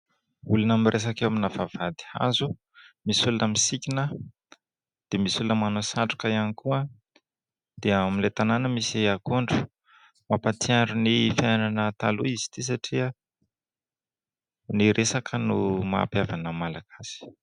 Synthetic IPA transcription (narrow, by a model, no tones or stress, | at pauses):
ulunamirʔes̬akewaminavav̥ad̪i̥a̰zu | misulunəmisikʲinə | d̪̥emisulunəmanosaɳʈ͡ʂu̥kəianikuə | d̪̥eamilet̪ananəmisiakuɳɖ͡ʐu̥ | mapat̪iaɳɖ͡ʐunifjajnanət̪aluizi̥t̪is̬aʈ͡ʂiə | niɾesakʰənumaa̰pjavanəmalaɡaz̥i̥